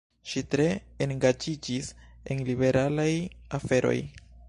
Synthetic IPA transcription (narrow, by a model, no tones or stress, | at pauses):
ʃitɾe̞eŋɡad͡ʒid͡ʒisḛnlibe̞ɾalajafe̞ɾo̞̰j